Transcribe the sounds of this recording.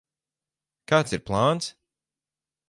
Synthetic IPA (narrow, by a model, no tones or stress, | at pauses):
kaːt̪siɾplˠaːns